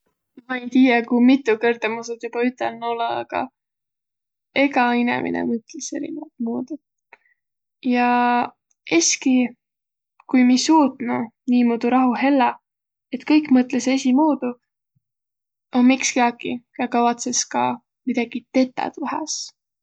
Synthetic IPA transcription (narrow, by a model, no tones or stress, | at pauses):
mɑejt̪iːjekumit̪ːˑukɤrd̪̥emusut̪jub̥ɑyt̪ˑːelnoleɑ̰ɡ̥ɑ̰ | e̞ɡɑinḛmʔḭnḛmɤt̪ˑlese̞̰ɾḭnevɑt̪muːd̪u | jɑ | eski | kujmisuːt̪nuniːmuːd̪̥uɾɑɦuɦe̞lːɑ | e̞t̪kɤjkːˑmɤt̪lese̞sʲimuːd̪̥u | onmikskiɑkijɑkɑvɑt̪se̞skɑ̰ | mid̪̥ɑɡ̥it̪e̞t̪ːˑɑ̰t̪ɑɦɑ̰s